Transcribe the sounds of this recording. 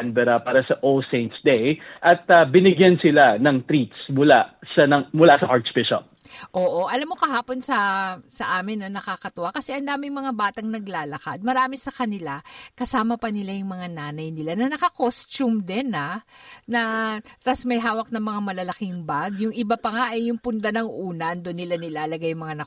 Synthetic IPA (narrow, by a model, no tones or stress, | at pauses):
nbɛɾɐpaːɾɐsɐʔoseɪnt̪sd̪ejʔɐt̪̚ɐbɪnɪɡjansɪlanɐŋt̪ɾit̪smʊlasɐnɐmʊlasɐʔaɹt̪sbɪʃɐ̰ | ʔoːʔo̞ʔɐlamːokɐɦaːpo̞nsɐsɐʔaːmɪnːɐnɐkakɐt̪ʊʔakɐsɛʔɐnd̪aːmɪŋmɐŋabaːt̪ɐŋnɐɡlaːlɐka̰d̪̚mɐɾaːmɪsɐkɐnɪlakɐsaːmɐpɐnɪlajʊŋmɐŋanaːnɐjnɪlanɐnɐkɐkost͡ʃumd̪ɛnanɐɾɐsmɐjɦaːwɐk̚nɐŋmɐŋamɐlɐlɐkɪŋbaɡ̚jʊŋɪbapɐŋaʔɐjːʊŋpʊnd̪anɐŋʔuːnɐɐnd̪onːɪlanɪlaːlɐɡajʊŋmɐŋanɐ